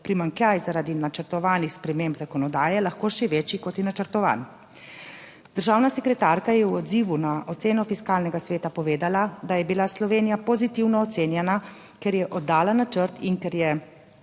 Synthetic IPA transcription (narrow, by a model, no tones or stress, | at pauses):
pɾimaŋkljajzaɾaːd̪inat͡ʃəɾt̪ɔʋaːnixspɾɛmembzakɔnɔd̪aːjɛlaxkoːʃɛʋeːt͡ʃikɔt̪jɛnat͡ʃəɾt̪ɔʋa̰ːn | d̪̥əɾʒaːwnasɛkɾɛt̪aːɾkajɛwɔd̪ziʋunaʔɔt̪seːnɔfiskaːlnɛɡasʋeːt̪apɔʋeːd̪alad̪ajɛbilaslɔʋeːnijapozit̪iwnɔːt̪seːnjɛna | kɛɾjɛʔɔd̪ːaːlanat͡ʃəɾt̪inkɛɾjɛ